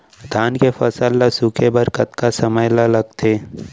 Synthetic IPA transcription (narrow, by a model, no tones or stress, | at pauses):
d̪ʱaːnkefɐsəlːasukʰebɐɾkət̪kasɐməjlalɐɡt̪ʰeː